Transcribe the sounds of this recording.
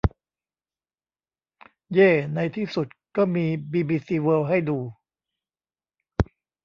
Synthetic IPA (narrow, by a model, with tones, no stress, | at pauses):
jeː˥˩na˧jt̪ʰiː˥˩su˨˩t̪̚kɔː˥˩miː˧biː˧biː˧siː˧wɤː˧wɦa˥˩jduː˧